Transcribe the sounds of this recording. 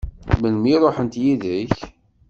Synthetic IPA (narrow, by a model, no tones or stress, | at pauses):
məlmiɾˤoħənt̪jiðəç